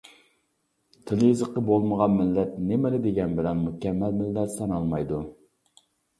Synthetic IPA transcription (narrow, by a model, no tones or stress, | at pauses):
t̪ʰɪljizəqːəbolˠməʁɑnmɪlːɛt̪nemɪlɪd̪eɡʲɛnbɪlɛnmukʲɛmːɛlmɪlːæt̪sɑnɑlˠmɑjd̪u